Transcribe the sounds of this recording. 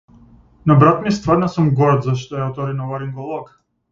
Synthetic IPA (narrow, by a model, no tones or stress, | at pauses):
nabɾat̪mist̪vəɾnasumɡɔɾt̪zaʃt̪ɔjaɔt̪ɔɾinɔvaɾiŋɡɔlˠɔk